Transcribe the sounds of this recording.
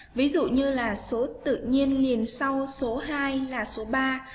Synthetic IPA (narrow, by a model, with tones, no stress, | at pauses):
vi˨˦zṵ˧˨ɲɨ˧laː˨˩so˨˦t̪ɨ̰˧˨ɲi˧ənli˨˩ənsa˧wso˨˦ɦaː˧jlaː˨˩so˨˦ɓaː˧